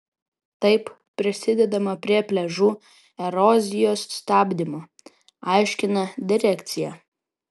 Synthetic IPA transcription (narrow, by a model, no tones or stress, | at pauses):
t̪ɐɪp | pʲːɾʲɪsʲɪd̪ʲɛd̪ɐmɐpʲɾʲiɛpʲlʲɛʒuː | ɛɾɔːzʲɪjoːsst̪ɑːbʲd̪ʲɪmoː | ɑˑɪʃʲkʲɪnɐd̪ʲɪɾʲækʲt̪sʲɪjɛ